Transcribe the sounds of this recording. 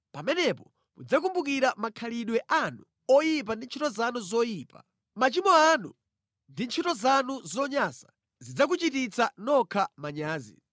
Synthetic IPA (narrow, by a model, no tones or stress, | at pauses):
pamɛnɛpɔ | mud͡zak̬umbuk̬iɾamakʰaliɗwɛʔanu | ɔjip̬andint͡ʃʰitɔzanuzɔjiːpa̰ | mat͡ʃimɔanu | ndint͡ʃʰitɔzanuzɔɲaːsḁ | zid͡zak̬ut͡ʃitit͡sʰanɔkʰamaɲaːzḭ